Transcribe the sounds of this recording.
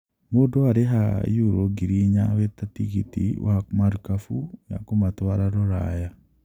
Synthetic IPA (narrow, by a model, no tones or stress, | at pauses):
modoaɾeɦa̰juɾoɡiɾiɲawɛtatiɣḭtḭwʔamaɾukafuja̰komatwaɾaɾɔɾa̰ja